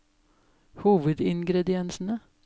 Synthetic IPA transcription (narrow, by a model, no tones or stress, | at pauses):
huːʋəd̪ɪŋɡɾɛd̪ɪɛnsn̩ə